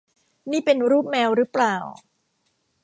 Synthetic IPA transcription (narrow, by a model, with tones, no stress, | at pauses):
niː˥˩pe˧nɾuː˥˩p̚mɛː˧wɾɯ˦˥plaː˨˩w